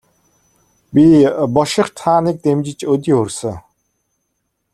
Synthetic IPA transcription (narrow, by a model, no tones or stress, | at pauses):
bʲipɔʃɪ̆χt̪ʰaːnik̚t̪emt͡ɕɪ̆t͡ɕɵt̪̬ʲiːxɵrsə̆